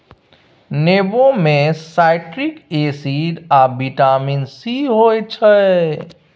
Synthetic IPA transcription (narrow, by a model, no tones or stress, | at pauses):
neːbõmẽsaːɪʈɾɪkeːsiːɖaːbiʈaːminsiɦoːet͡ʃʰə